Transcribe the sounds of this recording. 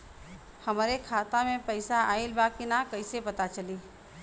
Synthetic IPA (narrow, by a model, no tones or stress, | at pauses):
hɐmɾekʰaːt̪amẽpəɪsaaːilbakinakɐɪsepɐt̪at͡ʃəliː